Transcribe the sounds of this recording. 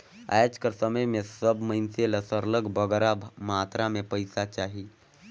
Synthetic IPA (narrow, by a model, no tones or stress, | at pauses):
a̰jad͡ʒkəɾsəməjmẽsəbməinseləsəɾləɡbʱəɡɾabmat̪ɾamẽpəjsat͡ʃaɦi